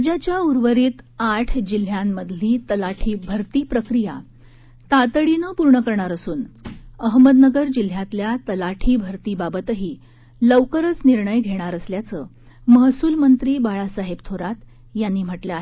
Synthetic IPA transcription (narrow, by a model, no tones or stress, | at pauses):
d͡ʑat͡ɕjauɾʋəɾiːt̪aʈʰd͡ʑil̤jamːəd̪ʱliːt̪əlaʈʰiːbʱəɾt̪iːpɾəkɾija̰ | t̪at̪əɭinəpuɾɳəkəɾɳ̃aɾəsuːnəɦməd̪nəɡəɾd͡ʑil̤jat̪ljat̪əlaʈʰiːbʱəɾt̪iːbabət̪əɦiː | ləʋkəɾət͡sniɾɳəjɡʱeɽ̃aɾəsljat͡səː | məɦsuːlmənt̪ɾiːbaɭasaɦebt̪ʰoɾat̪ | janːiːm̤əʈləaɦe